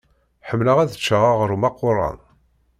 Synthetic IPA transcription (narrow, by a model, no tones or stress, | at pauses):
ħəmːləʁæðət͡ʃːaʁaʁəɾumɑqːʊrˤːɑ̰n